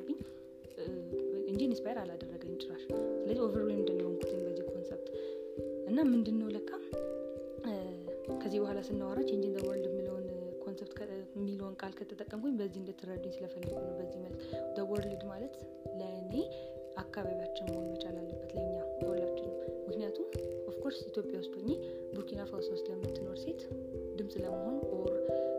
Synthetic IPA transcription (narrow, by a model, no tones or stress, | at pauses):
bɨɲː | ɨnd͡ʒinispʰajeɾalad̪ərːəɡəɲːt͡ʃʼɪɾaʃsɨləziwofəɾwenɨnd̪ənːəwnkʰu̥t̪ʰəɲbəzːihkʰo̞nsep̚t̪ | ʔɨnːamɨnd̪ɨnːəwləkːa | kʰəzːihbəhʷalasɨnːawaɾot͡ʃːɛnd͡ʒiɨnd̪əwɔɾlɨd̪mɨləwnkʰo̞nsept̪kʰmːilo̞nkʼalkʰət̪ʰːət̪ʼːəkʼːəmkʰuɲbəzːihɨnd̪ət̪ʰːɨɾəd̪ːuɲsɨləfəlːəɡunəwbəzːihməlt̪d̪əwɔɾlɨd̪malət̪ | ləne | akʰːaβaβjat͡ʃːɛwmənmət͡ʃʼalalːəbːət̪lajɲːajəɔlːat͡ʃːɛnːəwmɨknijat̪ʰumʔofkʰoɾsit̪ʰjo̞pʼjawʊst̪ʼoɲːe | buɾkʰinafasost̪jamːɨt̪ʰːɨnoɾset̪ | d̪ɨmsʼləməɦo̞nʔoɾ